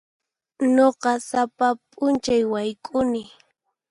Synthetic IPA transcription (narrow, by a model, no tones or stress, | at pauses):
noqɑsapapʼʊnt͡ʃajwajkʼʊnɪ